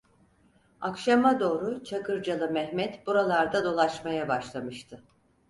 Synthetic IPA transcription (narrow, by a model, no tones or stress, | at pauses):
akʃamad̪o̞ːɾut͡ʃʰakɯɾd͡ʒalˠɯmɛhmɛt̪buɾalˠaɾd̪ad̪o̞lˠaʃmajabaʃlˠamɯʃt̪ʰɯ